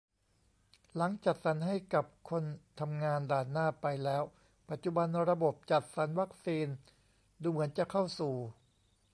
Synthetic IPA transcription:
la˩˦ŋt͡ɕa˨˩t̪̚sa˩˦nɦa˥˩jka˨˩p̚kʰo˧nt̪ʰa˧mŋaː˧ndaː˨˩nːaː˥˩pa˧jlɛː˦˥w | pa˨˩t̪̚t͡ɕu˨˩ba˧nɾa˧bo˨˩p̚t͡ɕa˨˩t̪̚sa˩˦nwa˦˥k̚siː˧n | duː˧mɯ˩˦ənt͡ɕa˨˩kʰa˥˩wsuː˨˩

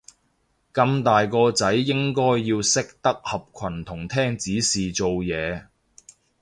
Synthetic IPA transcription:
kɐ˧mt̪aː˨jkɔː˧t͡sɐ˨˥jːɪ˥ŋkɔː˥jːiː˧wsɪ˥k̚t̪ɐ˥k̚hɐ˨p̚kʷʰɐ˨˩nt̪ʰʊ˨˩ŋt̪ʰɛː˥ŋt͡siː˨˥siː˨t͡so˨wjɛː˨˧

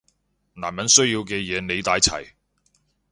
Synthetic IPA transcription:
na̰ː˨˩nmɐ˨˥nsɵ˥ɥjiː˧wkɛː˧jɛː˨˧ne˨˧jt̪aː˨˥jt͡sʰɐ̰˨˩j

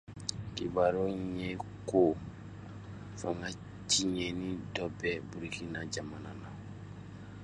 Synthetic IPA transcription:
ki˨ba˨ɾo˦ɲe˦ko˦ | fãŋɡa˦ | t͡ʃi˦ɲɛ˨nĩ˦dɔ˦bɛ˦bu˨ɾiki˦na˦d͡ʒa˨ma˨na˦na˨

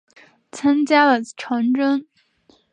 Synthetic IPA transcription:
t͡sʰa˥ŋt͡ɕja˥lə˨˩ʈ͡ʂʰɑ˧˥ŋʈ͡ʂə˥ŋ

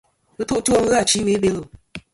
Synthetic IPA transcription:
ɨ˦tu˦ʔtu˦o˦ŋ̩˦ɣa˦˨t͡ʃi˨˦me˨˦be˦lu˨

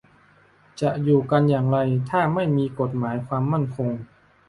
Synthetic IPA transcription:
t͡ɕa˨˩ʔjuː˨˩ka˧njaː˨˩ŋɾa˧jt̪ʰaː˥˩ma˥˩jmiː˧ko˨˩t̪̚maː˩˦jkʰwaː˧mːa˥˩nkʰo˧ŋ

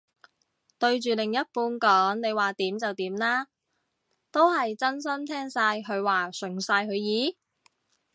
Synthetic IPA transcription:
t̪ɵ˧ɥt͡ʃyː˨lɪ˨ŋjɐ˥t̚puː˧nkɔː˨˥ŋne˨˧jwaː˨t̪iː˨˥mt͡sɐ˨wt̪iː˨˥mlaː˥ | t̪o˥whɐ˨jt͡sɐ˥nsɐ˥mt̪ʰɛː˥ŋsaː˧jɦɵ˨˧ɥwaː˨sɵ˨˩ŋsaː˧jɦɵ˨˧ɥjiː˨˥

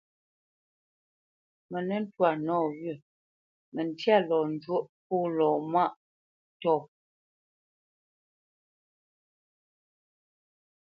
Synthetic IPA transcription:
mɛ˨nɛ˦n̩˦twa˨nɔː˦˨ɣɥə˦˨ | mɛ˨n˨tja˦˨lɔː˨n˨˦d͡ʒwo˦ʔpuː˦˨lɔ˨ma˦˨ʔ | tɔː˦˨

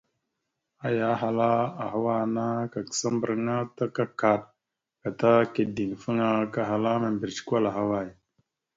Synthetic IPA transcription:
a˦ja˨˦ɦa˨la˦a˨ɦa˦wa˦na˦ka˨kə̥˨sa˦mbə˨ɾŋa˦ta˦ka˦ka˨ɗ̚ | ka˨ta˦ke˨di˨ŋ˨fə˦ŋa˦ka˨ɦa˨la˦ma˨mbi˨ɾt͡ʃkʷa˦la˨ɦa˦wa˦˨j

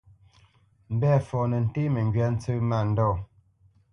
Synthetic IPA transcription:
m̩˨bɛ˦˨fɔ˨nɛ˨n̩˨te˦mɛ˨ŋ˨ɡɥa˨˦n̩˦t͡sə˦ma˦˨n̩˨dɔː˦˨

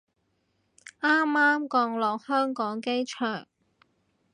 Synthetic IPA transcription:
ʔaː˥maː˥mkɔː˧ŋlɔː˨k̚hœː˥ŋkɔː˨˥ŋke˥jt͡ʃʰœː˨˩ŋ

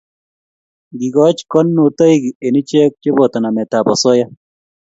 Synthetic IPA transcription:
ɡi˨ɡɔ˦t͡ʃkɔ˦nːu˨to˦i˦ɡie˨ni˦t͡ʃe˦k̚t͡ʃe˦bɔ˨t̪ɔ˨na˨mɛ˨ta˨bɔ˨sɔ˦ja˦

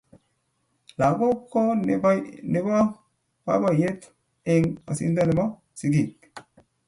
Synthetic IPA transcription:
la˨ɡo˦kːo˦ | ne˨˦ba˦ | ba̰˦ba˦˨je˦t̪ | e˦ŋa̰˨sḭ˦nd̪a˦ne˨ma˦ | si˨ɡi˨k

